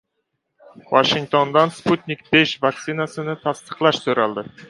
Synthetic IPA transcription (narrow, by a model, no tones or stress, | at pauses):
waʃiŋk̚t̪ʰo̞nd̪ɑnsput̪nʲikbeʃvakt̪sinasənət̪ʰɑst̪ə̥qlˠɑʃsɵɾɑlˠd̪ə